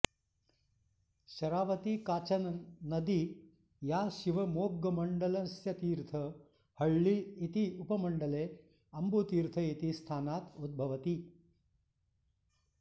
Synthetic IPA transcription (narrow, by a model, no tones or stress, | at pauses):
ʃɐɾaːʋɐt̪ikaːt͡ʃɐnɐnɐd̪i | jaːʃiʋɐmoːɡːɐmɐɳɖɐlɐsjɐt̪iːɾt̪ʰɐ | hɐɭːiːt̪iupɐmɐɳɖɐleː | ɐmbuːt̪iːɾt̪ʰɐit̪ist̪ʰaːnaːt̪ud̪̚bʱɐʋɐt̪i